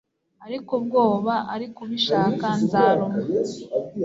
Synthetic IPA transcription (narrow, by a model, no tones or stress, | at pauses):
aɾikub̚ɡoːβaʔaɾikuβiʃaːkanzaɾo